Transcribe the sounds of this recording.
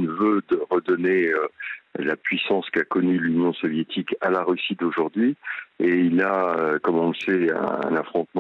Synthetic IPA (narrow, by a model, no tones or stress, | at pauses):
nvød̪əʁəd̪ɔneølapɥisɑ̃skakɔnylynjɔ̃sɔvjet̪ʰikalaʁysid̪oʒuʁd̪ɥieilaøkɔmɔ̃lsɛɛ̰̃nafχɔ̃t̪m̃